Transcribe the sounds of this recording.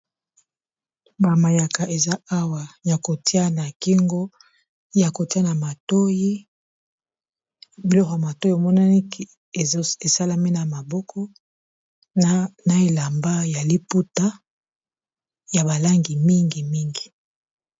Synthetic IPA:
ba˨ma˨ja˨ka˨ʔe˨za˦a˦wa˨ja˨ko˨ti˦a˦na˨ki˦ŋɡo˦ | ja˨ko˨ti˦a˦na˨ma˨to˦ji˦ | bi˨lɔ˦kɔ˨ja˨ma˨to˦i˦o˨mɔ˦na˦ni˦k | e˨sa˦la˦me˦na˨ma˨bɔ˦kʰɔ˦ | na˨e˨la˨mba˦ja˨li˦pu˦ta˦ | ja˨ba˨la˦ŋɡi˨mi˦ŋɡi˨mi˦ŋɡi˨

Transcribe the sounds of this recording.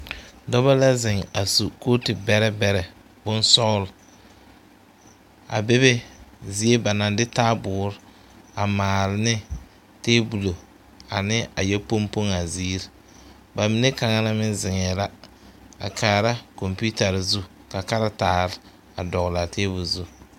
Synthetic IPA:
dɔ˦ba˦la˦zɪ˨ŋa˨su˨ko˦tɪ˨bɛ˦ɾɛ˦bɛ˦ɾɛ˨ | bʊ˦nsɔ˦ɣl | a̰˨be˦be˦zi˦e˦ba˨na˨ndɪ˦taː˦bʊː˨˦ɾɪ˦ | a˨maː˨lɪ˨nɪ˦ | teː˦bu˨lo˨ | a˨nɪ˦a˨jɛ˦po˦mpo˦ŋa˨ziː˦ɾ | ba˨mi˨ne˦ka˨ŋa˦na˦mɪ˦nzɪ˨ŋɛ˨la˦ | a̰˨kʰaː˨ɾa˦ko˨mpu˦ta˨ɾzu˦ | ka˨ka˦ɾa˦taː˨ɾɪ˦ | a˨dɔ˨ɣla˨tʰeː˦bu˨lzu˦

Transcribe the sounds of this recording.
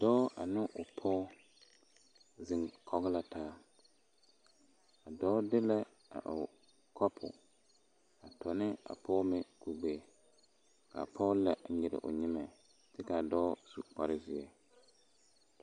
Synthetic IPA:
dɔː˦a˨nʊ˦ʔʊ˨pʰɔː˦ | zɪ˨ŋkʰɔ˨ɣɪ˦la˨tʰaː˦ | a˨dɔː˦dɪ˦lɛ˦ | a̰˨ʔʊ˨ | kʰɔ˦pʰʊ̰˨ | a˨tʰɔ˨nɪ˦a̰˨pʰɔː˦mɪ˦ku˨ɡ͡beː˦ | ka̰˨pʰɔ˦lɛ˦ʔɲɪ˨ɾɪ̰˨ʔʊ̰˨ɲɪ˦mɛ˨ | tɪ˦ka˨dɔː˦su˨k͡pa˨ɾɪ˦zɪ˨ɛ˦

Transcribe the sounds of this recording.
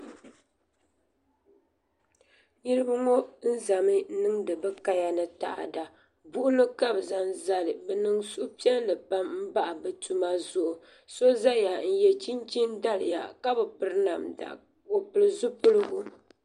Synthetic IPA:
ɲi˦ɾɨ˦bɨ˦ŋo˦n̩˦za˨mɨ˦nɨ˦ŋdɨ˨bɛ˦ka˦ja˦nɨ˨ta̰˨ʔa̰˨da˨ | bu˦ʔʊ˦lɨ˦ka˦bza˨nza˦lɨ˨bɛ˨nɨ˦ŋsu˦ʔʊ˦pi˦ɛ˦nlɨ˨pa˦mm̩˦ba˦ʔa˨bɛ˨tu˦ma˦zʊ˦˨ʔʊ˨ | so˦za˦ja˨n̩˨jɛ˨t͡ʃi˦nt͡ʃi˦nda˦lɨ˨ja̰˨ka˦bɛ˨pɨ˨ɾɨ˦na˨mda̰˨ | wo˨pɨ˨lɨ˨zu˦pɨ˦lɨ˦ɡu˦

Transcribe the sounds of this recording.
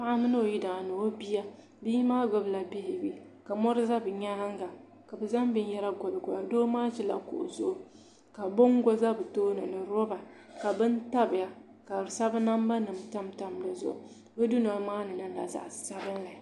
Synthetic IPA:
pa˦ʔa˦mɨ˦nɨ˦o˨ji˦daː˨nɨ˨o˦bi˦ja˦ | biː˦maː˦ɡɔ˨bla˨bɪ˦hɪ˨bi˦ | ka˨mɔ˦ɾɨ˦za˦bɨ˨ɲa˦ɾa˦ŋɡa˨ | ka˨bɛ˨za˦mbɨ˦n˦jɛ˦ɾa˦ɡɔ˨lɨ˨ɡʊ˨ja˨doː˦maː˦ʒɛ˦la̰˨ko̰˨ʔzʊ˦ʔʊ˨ | ka˨bo˦ŋ˦ɡɔ˦za˦bɨ˨toː˦nɨ˨nɨ˨ɾɔ˦ba˨ | ka˨bɨ˦nta˦bɪ˨ja˨ | ka˨sa˦bɨ˦na˦m˦ba˦nɨ˨m˨ta˦mta˨˦mla˨zʊ̰˨ʔʊ˨ | bɛ˦du˦na˨˦maː˦nɨ˨nɨ˦la̰˨za̰˨ʔsa˦ɾɨ˦nla˨

